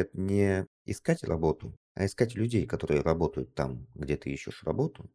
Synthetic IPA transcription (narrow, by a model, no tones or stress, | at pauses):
ət̪nʲɪ | ɪ̰skatʲrɐ̰bo̞t̪ʊ | ɐ̰ɪskatʲlʲʉdʲejkɐt̪o̞ɾɨjəɾɐbo̞t̪əjʊt̪ːamɡdʲet̪ɨiɕːɪʂrɐ̰bo̞t̪ʊ